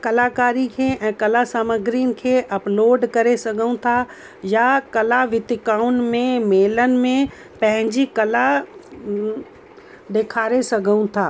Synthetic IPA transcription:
kɐlaːkaːɾikʰeɛ̃ːkɐlasaːməɡɾiənɪ̆kʰeːʔɐploːɖkɐɾesɐɡʱəũt̪ʰa | jakɐlaʋɪt̪ɪkaːʊnmẽmeːlənɪ̆mẽ | pɐ̃ɦɪ̃ɲd͡ʑikɐla | d̪eːkʰaːɾesɐɡʱəũt̪ʰaː

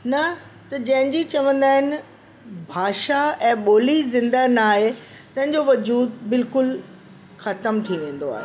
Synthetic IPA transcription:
nɐ | t̪ɐd͡ʑɐ̃ɦɪ̃ɲd͡ʑit͡ɕɐʋə̃nd̪aːɦɪnɪ̆ | bʱaːʃaɛ̃ːɓoːlizɪ̃nd̪anaːɦe | t̪ɐ̃ɦɪ̃ɲd͡ʑoʋɐd͡ʑuːd̪̚bɪlkʊl | xɐt̪əmt̪ʰiʋẽːn̆d̪oaːɦe

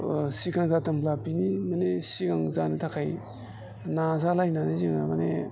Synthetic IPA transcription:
sikaŋzatɯmplapinimanesikaŋzanitʰakʰaj | nazalajnaniziŋamanḛ

